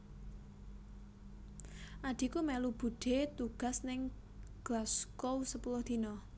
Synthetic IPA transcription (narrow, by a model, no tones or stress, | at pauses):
ʔaɖ̪̥i̤kumɛlub̥ṳɖ̥e̤t̪uɡ̥a̤snɪŋ | ɡ̥laskowsəpulʊhd̪̥i̤nɔ